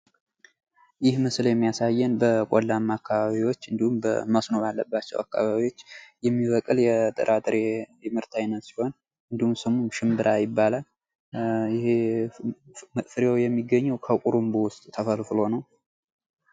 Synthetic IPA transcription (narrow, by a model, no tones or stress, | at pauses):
jɪhmɨsljɛmːijasajːɛnbəkʷʼolːamːakːaβaβiwo̞t͡ʃːɨnd̪ihumbə̰məsno̞βalːəbːat͡ʃːɛ̰wa̰kːa̰βaβiwo̞t͡ʃːjɛmːiβəkʼɨljɛt̪ʼɨ̰ɾʔat̪ʼɾejɛmɨɾt̪ʰajnət̪siho̞n | ɨnd̪ihumsəmumʃɪmbɨɾʔajɪbːalal | jɪhe | fɨɾjawjɛmːiɡːəɲːɛwkʰəkʼuɾumbowʊst̪ʼt̪ʰəfəlfɨlo̞nəw